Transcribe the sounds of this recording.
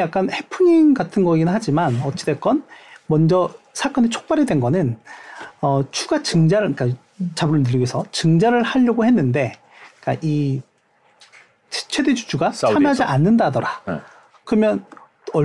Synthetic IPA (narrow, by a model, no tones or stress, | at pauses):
jak͈̚anhe̞pʰuɲinɡatʰɯnɡʌɡinɯnɦad͡ʑimanʌt͡ɕ͈ʰi̥dek͈ʌnmʌnd͡ʑʌsʰak͈ʌnet͡ɕʰo̥k̚p͈aɾidwe̞nɡʌnɯn | ʌt͡ɕʰuɡat͡ɕɯŋd͡ʑaɾɯik͈a | t͡ɕabɯɾɯɭnɯɾiɡesʰʌt͡ɕɯŋd͡ʑaɾɯɭhaʎːʌɡohe̞nːɯnde̞ | k͈a̰ʔi | t͡ɕʰwe̞ded͡ʑu̥d͡ʑʰuɡasanad͡ʑiʔanːɯndadʌɾa | kɯɾʌmjʌn | ʌ